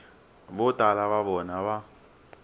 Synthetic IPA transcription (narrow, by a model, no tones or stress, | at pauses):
bʊtʼalaβaβɔnaβa